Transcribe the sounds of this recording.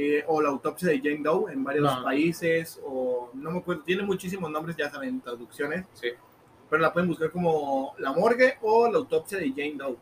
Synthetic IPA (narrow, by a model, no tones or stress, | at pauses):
ʔolaːwt̪o̞psjaðeʝejnd̪owe̞mbaɾjospaisesono̞meakwe̞ɾðot̪je̞ne̞nmut͡ʃis̬imoznombɾezʝasaβennt̪ɾaðuksjo̞ne̞ssi | peɾolapweð̞e̞mbuskaɾko̞mo̞lamo̞ɾɣeʔolaːwt̪o̞psjaðeʝejnd̪ow